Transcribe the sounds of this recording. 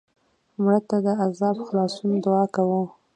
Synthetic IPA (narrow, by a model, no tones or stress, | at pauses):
mɽət̪ad̪əazɑbxlɑsund̪ʊɑkawu